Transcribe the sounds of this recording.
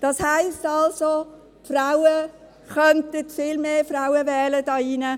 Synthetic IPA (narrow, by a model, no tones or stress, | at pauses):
d̥ɑshæɪstɑlso | fraʊə | χœntətfɪlmeːfraʊəvɛːlədɑːinə